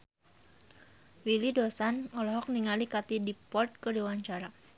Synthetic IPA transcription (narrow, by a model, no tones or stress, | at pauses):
wilidɔsanɔlɔɦɔk̚niŋalikat̪idipɔrt̪̚kədiwaɲt͡ʃaɾa